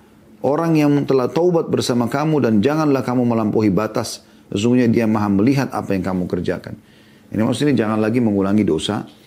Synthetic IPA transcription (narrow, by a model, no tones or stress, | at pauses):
ʔoɾaŋjaŋt̪əlaht̪oubat̪̚bərsamakamudand͡ʒaŋanlahkamuməlampoɦibat̪asː | əs̬uŋɡuɲadiamaɦaməliɦat̪a̰pajaŋkamukərd͡ʒa̰ka̰n | a̰nima̰suinid͡ʒaŋanlaɡiməŋulaŋidosa̰